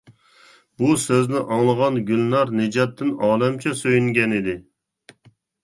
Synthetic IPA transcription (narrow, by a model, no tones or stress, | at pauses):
busøznɪʔɑŋlˠəʁɑnɡʲylnɑɾnɪd͡ʒɑt̪ːɪnɑːlɛmt͡ʃʰɛsøjyŋɡʲɛnɪd̪ɪ